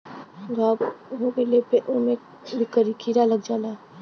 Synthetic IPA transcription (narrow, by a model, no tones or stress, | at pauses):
ɡaɦoɡəlepeʔʊmẽ | bɪkːəɾikʰiɾaləɡd͡ʒaːla